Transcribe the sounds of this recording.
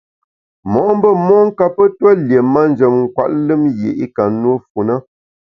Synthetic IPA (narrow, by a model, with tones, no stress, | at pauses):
mɔː˨˦m˦bə˦mɔ˦ŋ̩˦ka˦pə˦tə˦lje˨ma˦n˦d͡ʒə˨mŋ̩˨kwa̰˨ʔlɨ˦mjḛ˨ʔi˦ka˨nwə˦fu˨nə˦